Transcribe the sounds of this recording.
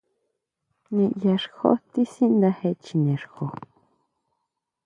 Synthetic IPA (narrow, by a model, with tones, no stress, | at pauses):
nẽ˧ʔja˧ʂxo̰˦t̪i˦sĩ˦nd̪ã˧he˧t͡ʃi˧nẽ˨ɾxo˨